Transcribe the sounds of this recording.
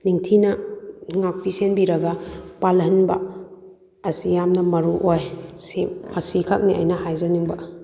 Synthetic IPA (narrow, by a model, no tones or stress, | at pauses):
niŋtʰinɐŋak̚pʰisenbiɾɐɡɐpalɐnbɐ̰ | ɐsijamnɐmɐɾuʔojsemɐsikʰak̚niɐ̰jnɐhajzaniŋbɐ